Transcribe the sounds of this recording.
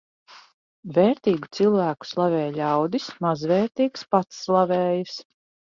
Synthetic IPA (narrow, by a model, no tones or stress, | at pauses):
veːɾt̪iːɡut̪silˠvæːku̥slˠavɛːjʎʲawd̪ismazvɛːɾt̪iːkspat̪sːlˠavɛːjus